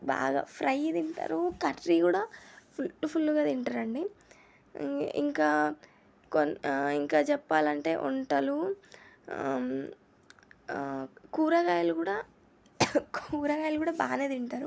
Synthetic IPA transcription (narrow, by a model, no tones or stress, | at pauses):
ba̰ːɡa̰ːpʰɾɐjid̪iɳʈa̰ːɾukɐʈɾiːkuːɽaːpʰuʈːupʰulːuɡaːd̪iɳʈaːɾɐɳɖi | ḭŋkaː | koniŋkaːt͡ʃɛpːaːlɐɳʈe̞̰ːʔuɳʈɐlu | kuːɾɐɡaːjɐlukuːɽaː | kuːɾɐɡaːjɐlukuːɽaːbaːneːd̪iɳʈaːɾu